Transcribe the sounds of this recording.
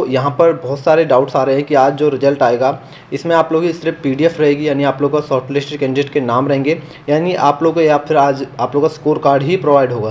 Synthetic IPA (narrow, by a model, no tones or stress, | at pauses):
t̪ojɐɦãpɐɾbɔːt̪saːɾeɖaːʊʈsaːɾɐɦẽɦɛ̃kiaːd͡ʒd͡ʒoːɾɪd͡ʒəlʈaːeːɡaː | ɪsmẽaːploːɡisɾepiːɖiɛfɾɐɦeːɡijaːniaːploːɡkasɔːɾʈlɪsʈkɛ̃ːɳɖɪʈkenaːmɾɐɦẽːŋɡe | jaːniʔaːploːɡaːfʰɪɾaːd͡ʒaːploːɡkaskoːɾkaːɾɖɦipɾoːʋaːɪɖɦoːɡaː